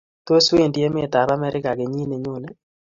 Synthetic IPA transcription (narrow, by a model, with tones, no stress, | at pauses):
t̪o˦swe˦˨ndi˦e˦me˦˨t̪a˨ɾa˦mɛ˦ɾɪ˦ka˨ɡe˨ɲi˦ne˨ɲo˦˨ne˦